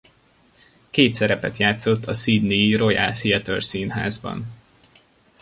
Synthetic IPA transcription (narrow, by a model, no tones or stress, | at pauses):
keːt̪sɛɾɛpɛt̪jaːt̪so̞t̪ʰːɒsid̪niiro̞ja̰lfiɛt̪ørsiːnɦa̰ːzbɒ̰n